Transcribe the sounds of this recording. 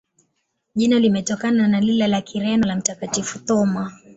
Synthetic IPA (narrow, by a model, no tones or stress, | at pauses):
ʄinalimɛtɔkananalilalakʰiɾɛnɔlam̩takatifut̪ɔma